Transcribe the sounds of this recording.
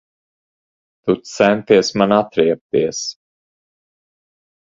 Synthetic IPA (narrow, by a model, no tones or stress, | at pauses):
t̪ut̪sɛnt̪iɛsmanat̪ɾiɛp̚t̪iɛs